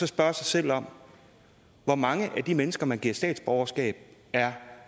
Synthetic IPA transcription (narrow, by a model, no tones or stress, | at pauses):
sɒ̽sb̥ɶɐsɑ̈ɪsel̰ɒ̽m̰ | ʋɒmɑ̈ŋəʔæd̥imenəsɡ̥ɐmænɡ̥iɐ̰̥sd̥ɛ̰ːd̥sb̥ɒʊɐsɡ̥ɛ̰ːb̥̚æɐ